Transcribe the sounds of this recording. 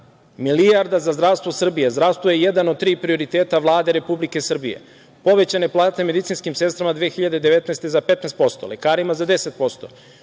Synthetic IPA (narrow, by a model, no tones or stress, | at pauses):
milijaɾd̪azazd̪ɾaʋst̪ʋo̞sr̩bijezd̪ɾast̪ʋojeje̞d̪anod̪̚t̪ːɾiːpɾio̞ɾit̪eːt̪aʋlˠaːd̪e̞ɾe̞publike̞sr̩bijḛ | po̞ʋe̞t͡ɕane̞plˠaːt̪eme̞d̪it̪sinskimse̞st̪ɾamad̪ʋeexiʎad̪e̞d̪eʋet̪nɛst̪ezape̞t̪nɛst̪po̞st̪o̰lekaːɾimazad̪e̞se̞t̪̚po̞st̪o̞̰